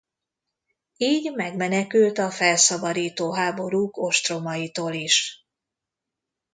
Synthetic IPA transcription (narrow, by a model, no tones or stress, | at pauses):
iːɟmɛɡmɛnɛkylt̪ɒfɛlsɒbɒɾiːt̪oːɦaːbo̞ɾuːko̞ʃt̪ro̞mɒjit̪oːliʃ